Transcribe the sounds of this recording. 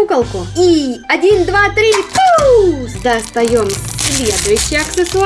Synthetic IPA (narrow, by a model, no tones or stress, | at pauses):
ukəlˠkʊiɐdʲind̪vat̪ɾʲi | d̪ɐst̪ɐjo̞mʲlʲe̞d̪ʊjʉɕːɪjɐksɨsʊ